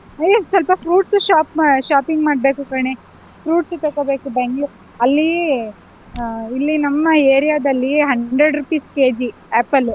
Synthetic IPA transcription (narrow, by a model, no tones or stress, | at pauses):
ɐjosʋɐlpɐpʰɾuːʈsuʃaːpmaʃaːpiŋɡmaːɽbeːkukaɳe | pʰɾuːʈsut̪ɐkːobeːkubeŋɡɭu | ɐlːi | ilːinɐmːɐeːɾijaːd̪ɐlːiɦɐɳɖɾeɖɾupiːskeːd͡ʒi | ɛːpːɐlu